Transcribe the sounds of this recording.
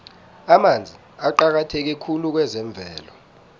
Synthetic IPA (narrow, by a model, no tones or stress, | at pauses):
amand͡zʱi | aǃak̬atʰek̬ɛkʰuluk̬wɛzɛɱb̪vʱɛːlɔ